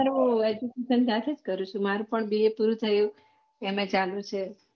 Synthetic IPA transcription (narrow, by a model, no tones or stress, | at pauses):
aɾued͡ʒukeʃənsat̪ʰed͡ʒkəɾũt͡ʃʰũmaɾũpəɳbiepuɾut̪ʰəjũ | emẽt͡ʃalũt͡ʃʰe